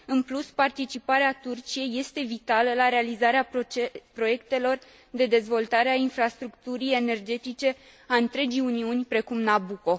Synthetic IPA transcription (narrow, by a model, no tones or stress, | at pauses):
ɨnpluspart̪it͡ʃipaɾeat̪urt͡ʃije̞jːe̞st̪e̞vit̪aləlaɾe̞alizaɾeapɾo̞je̞kt̪e̞lo̞r | d̪e̞d̪e̞zvo̞lt̪aɾeainfɾast̪ɾukt̪uɾije̞ne̞rd͡ʒe̞t̪it͡ʃe̞ | aɨnt̪ɾe̞d͡ʒijuniunʲpɾe̞kumnabuko̞